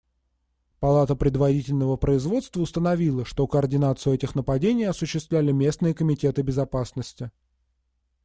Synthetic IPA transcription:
pɐlˠat̪əpɾʲɪd̪vɐɾʲitʲɪlʲnəvəpɾəɪzvo̞t̪st̪vəʊst̪ənɐvʲilˠəʂt̪o̞kəɐrdʲɪnat̪sɨjʊɛtʲɪxnəpɐdʲenʲɪjɐsʊɕːɪst̪vlʲælʲɪmʲe̞snɨjəkəmʲɪtʲe̞t̪ɨbʲɪzɐpasnəsʲtʲɪ

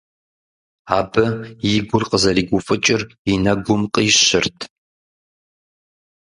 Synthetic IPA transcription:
aːbɨjiɡʷʊrqʼəzɐɾiːɡʷʊfʼɨt͡ʃʼɪrinɐɡʷʊmqʼiːɕɪrtʰ

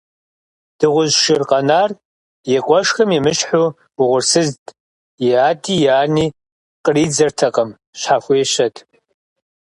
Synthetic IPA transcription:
d̥ɨʁʷʊzʃɪrqʼɐnaːr | jɛkʷʼɔʂxɐmimɨʃħu | ʊʁʷʊrsɨztʼ | jiaːtʰʼijaːniː | qʼəriːd͡zɐrtʰɐqʼəm | ɕħafʷʊɛʃɐtʰʼ

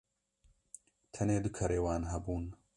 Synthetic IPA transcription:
t̪ʰɐneːd̪ɨkʰɐɾeːwaːnɦɐbuːn

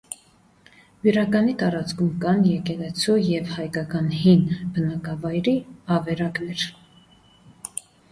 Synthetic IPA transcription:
viɾɑkɑnit̪ɑɾɑt͡skʰumkɑnjɛkɛlɛt͡sʰujɛvhɑjkɑkɑnhinbənɑkɑvɑjɾiɑvɛɾɑknɛɾ

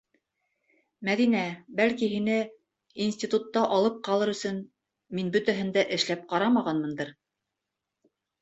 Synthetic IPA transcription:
mæðinæbælkiɦinɘ | insʲtʲit̪ut̪ːɑʔɑlˠɤp̚qɑlˠɤɾɵ̆sɵn | minbɵ̆t̪æɦɘ̆nd̪æʔɘ̆ʃlæp̚qɑɾɑmɑʁɑnmɤ̆nd̪ɤɾ

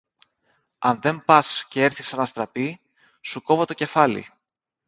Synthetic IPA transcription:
ɐnðe̞mpɐsce̞e̞ɾθisɐnɐst̪ɾɐpi | suko̞vo̞t̪o̞ce̞fɐlḭ

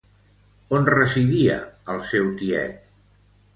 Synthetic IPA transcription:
onrəziðiə̰əlˠsɛwk̪iɛ̰t̪̚

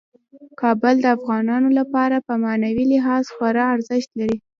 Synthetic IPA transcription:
kɑbəld̪əafɣɑnɑnolapɑɾapəmɑnawilɪɦɑz̥xwaɾɑaɾzəʃt̪laɾi

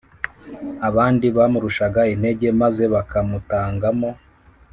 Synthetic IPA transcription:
aβaːndiβamuɾuʃaɡaine̞ɟe̞maze̞βakamutaːŋɡamo̞

